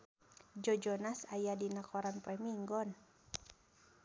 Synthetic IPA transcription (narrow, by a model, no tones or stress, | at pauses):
d͡ʒɔd͡ʒɔnasajadinakɔɾanpɾɛmiŋɡɔn